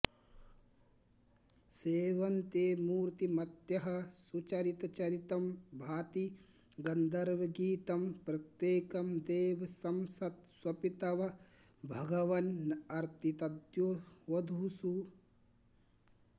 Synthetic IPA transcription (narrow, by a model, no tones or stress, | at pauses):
seːʋɐnt̪eːmuːɾt̪imɐt̪jɐɦɐ̆sut͡ʃɐɾit̪t͡ʃɐɾit̪ɐmbʱaːt̪i | ɡɐnd̪ɐɾʋɐɡiːt̪ɐmpɾɐt̪jeːkɐmd̪eːʋɐsɐmsɐt̪swɐpit̪ɐʋɐ | bʱɐɡɐʋɐnːɐɾt̪it̪ɐd̪juʋɐd̪ʱusu